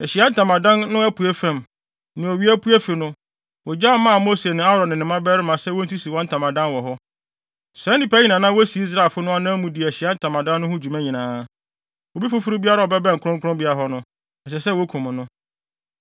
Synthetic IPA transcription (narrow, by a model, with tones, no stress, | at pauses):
ɛ˨ɕi˨a˦n̩˦tʰã˨mã˨dã˦nːʊ̃˦ɛ˦pʰu˨æ˦fɛ̃˨m | nʊ̃˨o˨ɥi˦æ˦pʰu˦æ˦fi˨nʊ̃˦ | wɔ˨d͡ʑa˦mã˦a˨mo˦se˨nʊ̃˨a˦ɾɔ̃˨nɪ̃˨nɪ̃˨mã˦bɛ˦ɾɪ˦mã˨sɛ˦wɔ˦n̩˦tʰi˦si˨wɔ̃˦n̩˦tʰã˨mã˨dã˦nwɔ˨ɦɔ˦ | sɛ˨˦ĩ˨pa˦ɲĩ˨nã˨nã˦wo˦si˨i˦s̬ɾa˨fʊ˦nʊ̃˦a˦nã˦mũ˦di˨æ˨ɕi˨a˦n̩˦tʰã˨mã˨dã˦nː˦ʊ̃˦hʊ̃˦d͡ʑu˨mã˦ɲĩ˨nãː˨˦ | wo˨bi˦fʊ˦fʊ˦ɾu˦bi˦a˦ɾa˦˨ɔ˨bɛ˦bɛ̃˦˨ŋ̩˨kʰʊ˦ɾʊ̃˦ŋkʰʊ˦ʊ̃˦mbi˦a˨ɦɔ˦nʊ̃˦ | ɛ˨ɕɛ˨s̬ɛ˦˨wo˦kʰũ˨mʊ̃˨nʊ̃˦